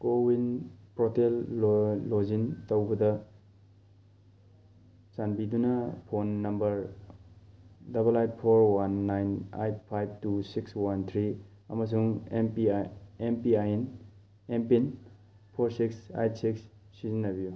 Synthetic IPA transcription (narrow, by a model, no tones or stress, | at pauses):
kowinpɾotelː | ozintɐwbɐdɐ | sanbidunɐpʰonːɐmbɐɾ | dɐbɐlajt̚pʰoɾwanːajna̰jt̚pʰajb̚tusikswant̪ʰɾi | ɐ̰mɐs̬uŋempiempiajn | empin | pʰoɾsiksa̰jt̚siksː | izinːɐbiju